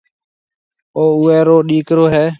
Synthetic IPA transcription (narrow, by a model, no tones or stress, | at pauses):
oːʊeːɾoːɗiːkɾoːɦɛː